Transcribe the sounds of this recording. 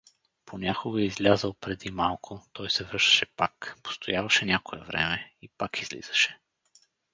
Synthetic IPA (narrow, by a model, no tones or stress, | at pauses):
pʰonʲakoɡəizlʲazəlˠpɾɛd̪imalˠkʰʊt̪ɔjsɛvɤɾʃt̪ɐ̥ʃɛpakpo̥st̪ojavɐʃɛnʲakoɛ̰vɾɛ̰mɛipakizlḭz̥ə̥ʃɛ̥